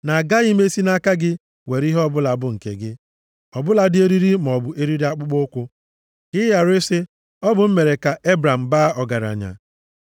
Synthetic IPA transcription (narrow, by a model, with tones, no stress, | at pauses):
na˨ɡa˦i˦me˦si˦na˦ka˦ɡɪ˦ | we˨ɾi˦ɦɔ˦bʊ˦la˨bʊ˦ŋ̩˨kḛ˨ɡɪ˦ | ɔ˨bʊ˦la˨dɪ˦e˦ɾi˦ɾi˦m˨ɔ˨bʊ˨ʔe˦ɾi˦ɾi˦a˦k͡pʊ˦k͡pʊ˦ʊ˦kʷʊ˦ | kɪ˦ja˨ɾe˦se˦ | ɔ˦bʊ˨m̩˦me˨ɾe˨ka˨ʔe˦bɾa˨m̩˨ba˦ɔ˨ɡa˨ɾa̰˨ɲa̰˨